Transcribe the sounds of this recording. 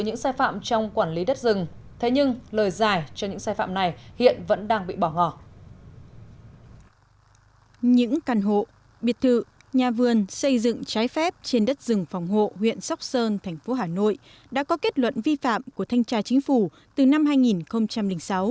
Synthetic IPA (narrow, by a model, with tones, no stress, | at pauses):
ɲɨ̰˧˥ŋsaː˧jfa̰ː˧˨mt͡ɕɔ˧wŋ͡mkwaː˧˩nli˨˦ɗə˦˥t̚zɨ˨˩ŋt̪ʰe˨˦ɲɨ˧ŋləː˨˩jzaː˨˩jt͡ɕɔ˧ɲɨ̰˧˥ŋsaː˧jfa̰ː˧˨mna˨˩jhḭ˧˨ənvə̰˧˥nɗaː˧ŋɓḭ˧˨ɓɔ˧˩ŋɔ˧˩ | ɲɨ̰˧˥ŋkaː˨˩nɦo̰˧˨ | ɓi˨˩ət̚t̪ʰɨ̰˧˨ | ɲaː˨˩vɨ˨˩ənsə˧jzɨ̰˧˨ŋt͡ɕaː˨˦jfɛ˦˥p̚t͡ɕe˧nɗə˦˥t̚zɨ˨˩ŋfa˨˩wŋ͡mɦo̰˧˨hwḭ˧˨ənsa˦˥wk͡p̚səː˧nt̪ʰɛ˨˩jŋ̟fo˨˦ɦaː˧˨˩no̰˧˨j | ɗa̰ː˧˥kɔ˨˦ke˦˥t̚lwə̰˧˨nvi˧fa̰ː˧˨mku˧˩ət̪ʰa˧jŋ̟t͡ɕaː˧t͡ɕï˨˦ŋ̟fu˧˩ | t̪ɨ˨˩na˧mɦaː˧jŋi˨˩nxə˧wŋ͡mt͡ɕa˧mlï˧˩ŋ̟sa˨˦w